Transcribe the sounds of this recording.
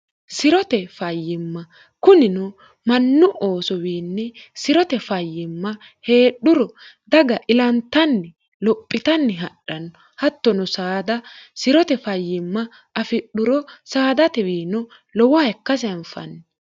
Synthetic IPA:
sɪɾɔt̪ɛfɐjːɪmːɐ | kʊnɪnɔ | mɐnːʊʔo̞ːsɔwiːnːɛsɪɾɔt̪ɛfɐjːɪmːɐ | he̞ːɗʊɾɔd̪ɐɡɐʔɪlɐnt̪ːɐnːɪ | lɔpʼːɪt̪ɐnːɪɦɐɗɐnɔ | hɐt̪ːɔnɔsaːd̪ɐsɪɾɔt̪ɛfɐjːɪmːɐ | ʔɐfɪɗʊɾɔsaːd̪ɐt̪ɛwiːnɔ | lɔwɔɛkːɐs̬ɛɐnfɐ̰nːɛ

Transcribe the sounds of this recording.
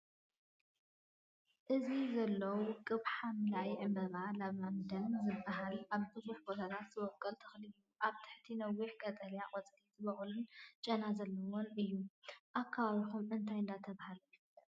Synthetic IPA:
ʔɨzizɐlːɐwkʼɨβħamɨlaʔjiʕɨmbɐɾalɐβamd̪ɐnzɨbːaɦalʔaβbɨzuħbot̪ʰat̪ʰat̪z̥ɨwɔkʼːɐlt̪ʰɐxliɨjːuʔaβt̪ʰɨ̥ħt̪ʰinɐwːiħɡʼɐt̪ʼɐljakʼɐt͡sʼlit̪ʰɨβɐxlunt͡ʃʼɐnazɐlːɐwonɨjːuʔakʰːaβaβixumɨnt̪ʰajɨnd̪at̪ʰɐβahalujɪf

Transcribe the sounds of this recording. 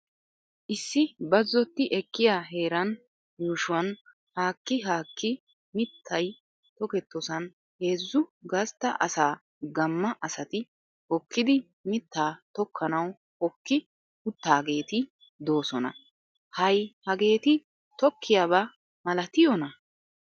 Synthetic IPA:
ʔɪsːɪbɐzːɔt̪ːɪʔɛkːɪjaːɦe̞ːɾɐn | juːʃʊwɐn | haːkːɪɦaːkːɪ | mɪt̪ʰːɐj | t̪ɔkɛt̪ːɔsɐn | he̞ːzːʊɡɐst̪ːɐʔɐsaː | ɡɐmːɐʔɐsɐt̪ɪ | hɔkːɪd̪ɪ | mɪt̪ːaːt̪ɔkʰːɐnɐw | hɔkːɪ | ʊt̪ːaːɡe̞ːt̪ɪ | d̪o̞ːsɔnɐ̰ | hɐjhɐɡe̞ːt̪ɪ | t̪ɔkʰːɪjaːβa | mɐlɐt̪ɪjɔnɐ

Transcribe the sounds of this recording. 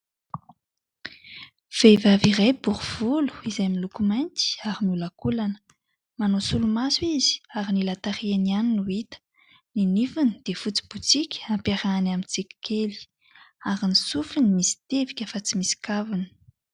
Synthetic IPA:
v̥evaviɾajb̥uɾuv̥ulu̥izajmilukumajnt̪i̥aɾimiulakulanə̥ | manosulumaswizi̥aɾinilat̪aɾianianinuit̪ə̥ | ninifunid̪̥efut͡si̥but͡sikʲampaɾaːnamit͡sikʲi̥kʰeli̥ | aɾinisufinimisi̥t̪evikʲəfat͡simisi̥kavini̥

